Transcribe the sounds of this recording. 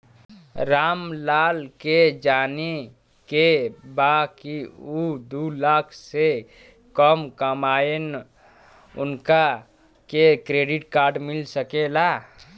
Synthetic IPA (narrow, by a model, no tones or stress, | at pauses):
ɾaːmlaːlked͡ʒaːne | kebakiud̪ulakʰse | kəmkəmaen | ʊ̰nka | kekɾeːɖiʈkaːɾɖmɪlsəkela